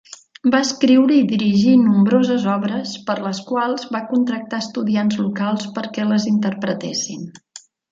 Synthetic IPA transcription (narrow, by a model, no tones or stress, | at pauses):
baəskɾiwɾəiðiɾiʒinumbɾozəzɔβɾəspəɾləskwalˠzβakunt̪ɾək̚t̪aəst̪uðianzlukalˠspəɾkɛləzint̪əɾpɾət̪esin